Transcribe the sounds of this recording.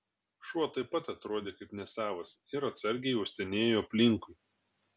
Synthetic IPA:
ʃuɔt̪ɐɪpɐt̪ɐt̪ɾoɔd̪ʲeːkɐɪpnʲɛsʲæːʋɐsɪɾɐt̪sɐɾʲɡʲɛɪɛʊsʲt̪ʲɛnʲeːjoːɐpʲlʲɪŋkʊɪ

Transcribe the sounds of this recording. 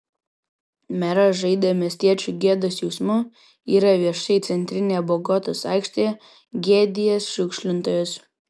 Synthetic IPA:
mʲɛɾɐʒɐɪd̪ɐmʲiɛsʲt̪ʲiɛt͡ʃʲuːˑɡʲiɛd̪oːsjɔʊsmʊ | iːɾɐʋʲiɛʃɐɪt̪sʲɛnʲt̪ʲɾʲɪnʲeːboɡɔt̪oːsɑˑɪkʃʲt̪ʲeɛ | ɡʲeːd̪ʲɪjɛsʃʲʊkʃʲlʲɪnt̪oːjos

